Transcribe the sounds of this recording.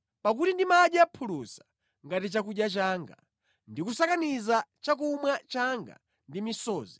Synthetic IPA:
pak̬utindimaɗjapʰulusḁ | ŋɡatit͡ʃakuɗjat͡ʃaːŋɡa | ndikusakanizat͡ʃak̬umwat͡ʃaŋɡa̰ | ndimisɔːzi

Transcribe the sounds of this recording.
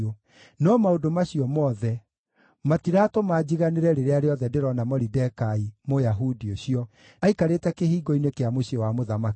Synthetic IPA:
ɔ | nɔmaodomaɕiɔmɔːðɛ | matiɾaːtomad͡ʑiɣaneɾɛɾeɾeaɾeɔðɛdeɾɔnamɔɾidɛkaimojaɦudioɕiɔ | aikaɾetɛkehiːɡɔinekeamoɕiɔwamoðamak

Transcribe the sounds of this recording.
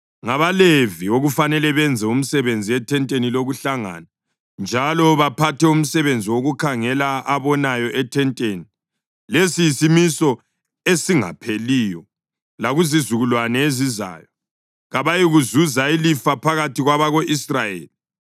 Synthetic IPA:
ŋaβalevioɣufanɛlɛβɛnd͡zʱɛum̩sɛβend͡zʱiɛtʰɛntʼeniloɣuɬaŋa̰na | nd͡ʒʱalɔβapʰatɛum̩sɛβend͡zʱiwoɣukʰaŋɛlaaβɔnajɔʔɛtʰɛntʼeni | lesijisimisɔ | esiŋa̰pʰeliːjɔ | laɣuzizuɣulwanɛeziza̰ːjɔ | ɣaβajiɣuzuzailifapʰaɣatiɣwaβaɣoʔisrajḛːli

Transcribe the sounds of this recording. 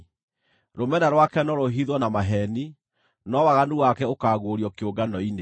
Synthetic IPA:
ɾomɛnaɾwakɛnɔɾoɦiðwɔnamaɦɛni | nɔwaɣanuwakɛokaːɣoɾjɔkeoɡanɔine

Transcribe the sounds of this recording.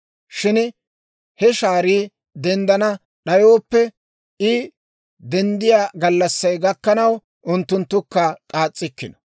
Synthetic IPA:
ʃɪn | hɛʃaːɾiː | d̪ɛnd̪ɐnɐ | ɗɐjoːpːɛ | ɪ | d̪ɛnd̪ɪjaːɡɐlːɐsːɐjɡɐkːɐnɐw | ʔʊnt̪ːʊnt̪ːʊkːɐkʼaːt͡sʼːɪkːɪnɔ̥

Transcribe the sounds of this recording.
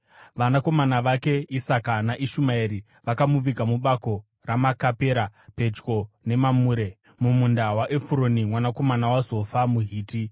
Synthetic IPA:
ʋanako̞manaʋake̞isakanaʔiʃumaiɾi | ʋakamuʋiɡʱamuɓako̞ | ramakape̞ːɾape̞d͡ʒɡo̞ | ne̞mamuːɾe̞ | mumundawaʔe̞fuɾonimwanako̞manawazo̞famuɦiːti

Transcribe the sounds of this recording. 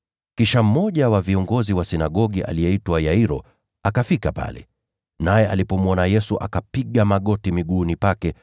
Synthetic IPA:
kiʃam̩mɔʄawaviɔŋɡɔziwasinaɠɔɠiʔa̰lijɛitwajaiɾɔ | akafikapa̰lɛ̰ | najɛʔalipɔmwɔnajɛsuʔa̰kapiɠamaɠɔtimiɠuːnipakɛ

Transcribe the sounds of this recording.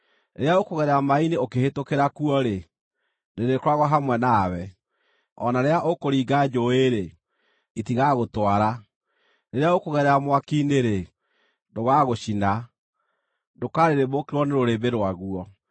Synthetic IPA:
ɾḛɾeaokoɣɛɾɛamaineokehetokeɾakuɔɾe | neɾekoɾaɣwɔɦamwɛnaːwɛ | ɔnaɾeaʔokoɾiːɡad͡ʒoeɾe | itiɣaɣotwaɾa | neɾeaokoɣɛɾɛamwakiːneɾe | ndoɣaɣoɕina | ndokaɾeɾemokeɾwɔneɾoɾebeɾowaɣuɔ

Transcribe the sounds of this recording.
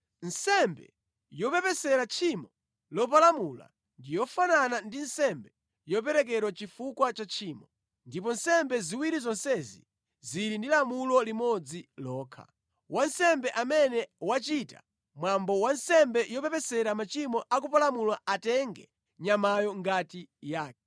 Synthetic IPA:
n̩sɛmbɛ̰ | jɔpɛpɛsɛɾat͡ʃʰimɔ | lɔp̬alamula̰ | ndijɔfananandinsɛmbɛ | jɔp̬ɛɾɛk̬ɛɾwat͡ʃifukwat͡ʃat͡ʃʰiːmɔ | ndip̬ɔnsɛmbɛziwiɾizɔnsɛzḭ | ziɾindilamulɔlimɔd͡zilɔːkʰa̰ | wʔansɛmbɛʔamɛnɛwat͡ʃita̰ | mwambɔwansɛmbɛjɔpɛpɛsɛɾamat͡ʃimɔʔak̬upalamulwaatɛŋɡɛ̰ | ɲamajɔŋɡatijaːk̚ɛ

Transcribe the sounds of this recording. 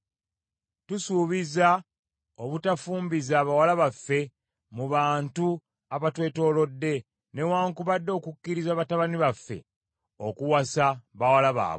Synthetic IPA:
tusuːβiza | oβutafuːmbizaːβawalaβafːe̞ | muβaːntu | aβatwe̞ːto̞ːlo̞dːe̞ | ne̞waːŋkuβadːo̞ːkukːiɾizaːβataβaniβafːe̞̰ | okuwasaβawalaβa̰ːβo

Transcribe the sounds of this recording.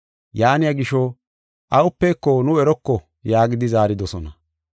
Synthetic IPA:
jaːnɪjaɡɪʃɔ | ʔɐʊpːeːkːɔnʊɛɾɔkːɔ | jaːɡɪd̪ɪzaːɾɪd̪ɔsɔnɐ

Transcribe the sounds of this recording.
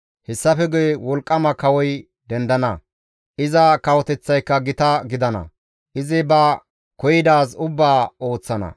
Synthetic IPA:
hɛsːɐfɛɡʊjwɔlkʼːɐmɐkɐwɔj | d̪ɛnd̪ɐnɐ | ʔɪzɐkɐwɔt̪ɛt͡sːɐjkːɐɡɪt̪ɐɡɪd̪ɐnɐ̰ | ʔɪzɪbɐ | kɔjɪd̪aːsʊbːaːo̞ːt͡sːɐnɐ̰

